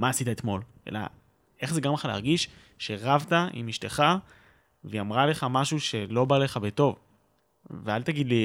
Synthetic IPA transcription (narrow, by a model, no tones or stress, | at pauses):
maːsit̪aet̪mo̞lʔḛla̰ | e̞χzeɡamχalea̰ʁɡiʃ | ʃe̞ʁavt̪aʔḭmiʃteχa | veamʁale̞χamaʃuʃe̞lo̞bale̞χabeto̞v | vealt̪aɡidli